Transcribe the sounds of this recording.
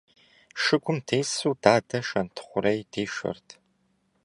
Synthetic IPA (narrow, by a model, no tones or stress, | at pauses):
ʃɨɡʷʊmdʰeːsuːdaːdɐʃɐntʰχʷʊɾejdeːʃɐ̰rtʰ